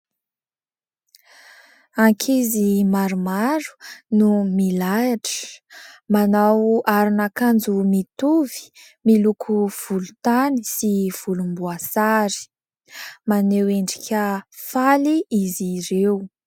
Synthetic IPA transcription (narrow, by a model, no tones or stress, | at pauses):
aŋkʰizimaɾumaɾu̥numilajaʈ͡ʂə̥manawaɾinakand͡zumit̪uvi̥ | milukʰuv̥ulu̥t̪anisiv̥ulumbuasaɾi̥ | maneweɳɖ͡ʐikʲəfaliiziɾew